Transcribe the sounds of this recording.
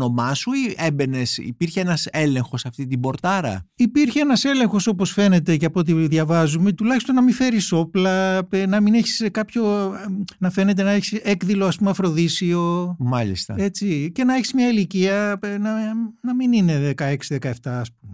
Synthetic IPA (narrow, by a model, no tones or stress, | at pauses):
o̞mɐsuiebene̞sḭpiɾçeenɐse̞le̞ŋxo̞sɐft̪it̪ibo̞ɾt̪ɐɾɐ̰ipiɾçeenɐse̞le̞ŋxo̞so̞po̞sfe̞ne̞t̪e̞ceɐpot̪iðʝɐvɐzume̞t̪ulɐçist̪o̞nːɐmife̞ɾiso̞plɐnɐmineçi̥skɐpço̞ | nɐfe̞ne̞t̪̬e̞nɐeçi̥sekðilo̞ɐspumeɐfɾo̞ðisio̞mɐlḭst̪ɐ̰e̞t͡sice̞nɐeçi̥zmɲɐiliciɐnɐnɐminine̞ðekɐe̞ksiðekɐeft̪ɐːsp̚ume